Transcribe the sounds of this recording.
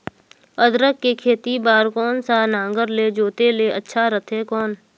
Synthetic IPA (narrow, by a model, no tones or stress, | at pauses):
əd̪ɾəkːekʰeːt̪ibaːɾkɔːnsanãːŋɡəɾled͡ʒoːt̪eleːətːʃʰaɾət̪ʰekɔːn